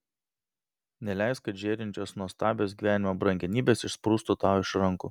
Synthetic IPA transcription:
nʲɛlʲæˑɪskɐʒʲeːɾʲɪnʲt͡ʃʲoːsnuɔst̪ɑːbʲoːs̬ɡʲiːʋʲæːnʲɪmoːbɾɐŋʲɡʲɛnʲiːbʲeːsɪʃspɾuːst̪ot̪ɑːɪʃɾɐŋku

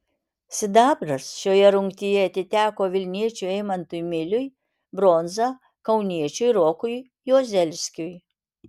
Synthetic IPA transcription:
sʲɪd̪ɑːbɾɐsʃoːjɛɾʊŋkt̪ʲɪjɛɐt̪ʲɪt̪ʲæːkoːʋʲɪlʲnʲiɛt͡ʃʲuɛɪmɐnt̪ʊjmʲɪlʲʊj | bɾɔːnzɐ | kɐʊnʲiɛt͡ʃʲʊjɾoːkʊj | joɔzʲɛlʲsʲkʲʊj

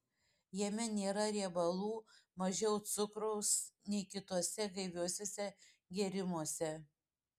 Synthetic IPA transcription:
jɛmʲɛnʲeːɾɐɾʲiɛbɐlˠuːmɐʒʲɛʊt̪sʊkɾɐʊsnʲɛɪkʲɪt̪uɔsʲɛɡɐɪʋʲuɔsʲoːsʲɛ | ɡʲɛɾʲɪmuɔsʲɛ

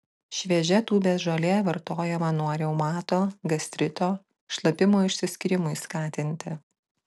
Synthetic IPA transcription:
ʃʲʋʲɛʒʲɛt̪uːbʲeːsʒɐlʲeːʋɐɾt̪oːjɛmɐnuːɾʲɛʊmɑːt̪oːɡɐsʲt̪ʲɾʲɪt̪oː | ʃlˠɐpʲɪmoːɪʃʲsʲɪsʲkʲɪɾʲɪmʊɪskɑːt̪ʲɪnʲt̪ʲɪ

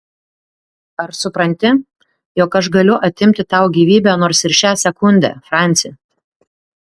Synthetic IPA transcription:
ɐɾsʊpɾɐnʲt̪ʲɪ | jɔːkɐʃ̬ɡɐlʲʊʔɐt̪ʲɪmʲt̪ʲɪt̪ɑˑʊɡʲiːʋʲiːbʲæːnoːɾsɪɾʃʲæːsʲɛkʊnʲd̪ʲɛ̰ːfɾɑˑnʲt̪sʲɪj

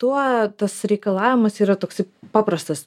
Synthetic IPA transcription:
t̪uɔt̪ɐsɾʲɛɪkɐlˠɑːʋʲɪmɐsiːɾɐt̪oːksɐɪpɑːpɾɐst̪ɐs

